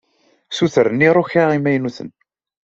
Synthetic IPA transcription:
suθɾənːiɾˤoçaʁimæjnuθə̰n

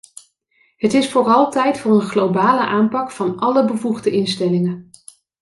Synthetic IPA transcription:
ɦətɪsfʊːrɑlˠtɛjtfʊːɹənχlowbaːləʔaːmpɑkfɑnɑləbəvuχdəʔɪnstɛlɪŋə

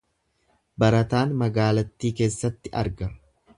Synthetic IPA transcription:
bɐɾɐt̪aːnmɐɡaːlɐt̪ːiːke̞ːsːɐt̪ːɪʔɐ̰ɾɡɐ

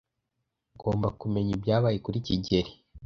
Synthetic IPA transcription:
ɡo̞̰ːmbakume̞ɲibjaːβaːjekuɾiciɟe̞ɾi

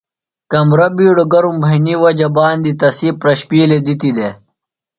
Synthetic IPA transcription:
kɐmɾɐbiːɽoɡɐɾumbʱɐiniwɐd͡ʑɐbaːnd̪it̪ɐsipɾɐɕpiːled̪it̪id̪e

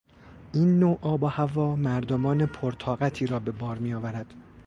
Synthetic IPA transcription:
ʔiːnːoʔɒːbɒhævɒːmæɾd̪omɒːnepʰoɾt̪ʰɒːɣæt̪ʰiːɾɒːbe̞bɒːɾmiːjɒːvæɾæd̪̥

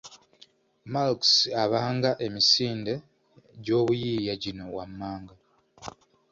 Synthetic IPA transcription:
malksaβaːŋɡaʔe̞misiːnde̞ | ɟo̞ːβujiːjaɟino̞wamːaːŋɡa

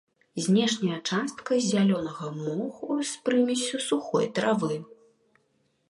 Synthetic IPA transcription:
zʲnʲɛʂnʲɐjɐt͡ʂast̪kɐzʲalʲɔnɐɣɐmɔxuspɾɨmʲit͡sʲɐsuxɔ̰jt̪ɾavɨ

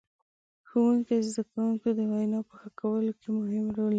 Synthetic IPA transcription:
xowuŋkezd̪akawuŋkod̪əwajnɑpəxakawəlokemʊhɪmɾol

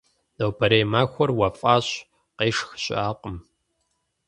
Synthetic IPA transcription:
dɐwbɐɾejmaːxʷɔrwɐfʼaːɕ | qeːʂxɕʼaːqʼəm

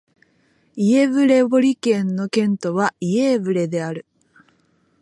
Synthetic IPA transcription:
ie̞βɯ̟ɾe̞bo̞ɾʲikẽ̞nːo̞kẽ̞nt̪o̞βaie̞ːbɯ̟ɾe̞d̪e̞aɾɯ̟

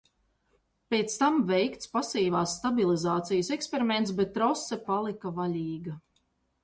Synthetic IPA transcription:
pʲeɛt̪st̪amvɛjkt̪spasiːvaːsːt̪abilizaːt̪sijɐsɛkspeɾiment̪sbɛt̪ːɾɔsɛpalˠikavalʲiːɡa

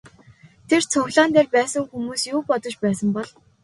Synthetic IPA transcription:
t̪ʰert͡sʰʊxɮaːnt̪eːrpæːsə̆ŋxumuːsjuːpɔt̪ɞ̆t͡ɕpæːsə̆mpɔɮ

